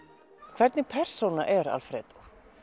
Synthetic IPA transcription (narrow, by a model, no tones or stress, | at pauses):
kʰvɛɾt̪nɪpʰɛr̥sownaʔɛɾa̰lfɾɛːt̪u̥